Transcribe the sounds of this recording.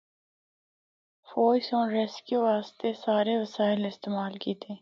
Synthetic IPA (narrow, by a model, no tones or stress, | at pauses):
foːsõːɾeːskjuːʋaːst̪esaːɾeʋəsaːɪlɪst̪eːmaːlkiːt̪ʰeː